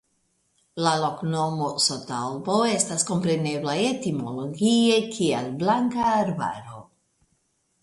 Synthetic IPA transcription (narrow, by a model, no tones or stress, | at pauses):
lalo̞kno̞mo̞sotalbo̞e̞stasko̞mpɾe̞ne̞blaetimolo̞ɡie̞kʰialblaŋkaːɾba̰ɾo̞̰